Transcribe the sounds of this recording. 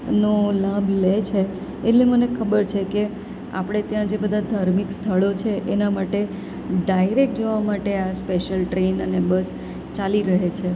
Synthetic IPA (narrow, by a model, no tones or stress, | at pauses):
nolãblet͡ʃʰeː | ʈlemənekʰəbəɾt͡ʃʰeke | a̰pɽ̃et̪jãd͡ʒebəd̪ʱad̪ʱaɾmikst̪ʰəɭot͡ʃʰeʔenamaʈe | ɖaiɾek̚ʈ̚d͡ʒəʋamaʈeaspeʃəlʈɾenənebəs | t͡ʃaliɾəɦet͡ʃʰe